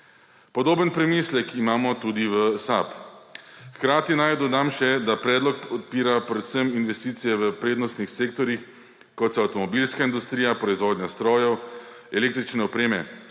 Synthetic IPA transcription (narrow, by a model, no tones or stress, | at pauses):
pɔd̪oːbənpɾɛmislɛkʰimaːmɔt̪uːd̪iʋəsa̰p | xkɾaːt̪inajd̪ɔd̪amʃɛd̪apɾɛːd̪lɔkɔt̪̚piːɾapɾɛt̪səminʋɛst̪iːt̪sijɛʋəpɾeːd̪nɔst̪nixseːkt̪ɔɾix | kɔt̪saːwt̪ɔmɔbilskaind̪ust̪ɾiːjapɾɔizʋoːd̪ɲast̪ɾoːjɔw | ɛleːkt̪ɾit͡ʃnɛɔpɾeːmɛ